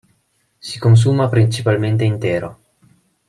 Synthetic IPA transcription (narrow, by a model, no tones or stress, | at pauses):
si̥kons̬uːmapɾint͡ʃipalment̪eint̪ɛːɾo